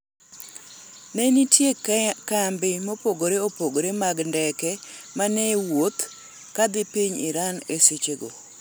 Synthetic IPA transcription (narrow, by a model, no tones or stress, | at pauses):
nɛnitjekkambɪmopoɡoɾeopoɡoɾemaɡndɛkɛ | manɛwot̪ | kad̪ɪpiɲɪ̰ɾaneset͡ʃeɡo̰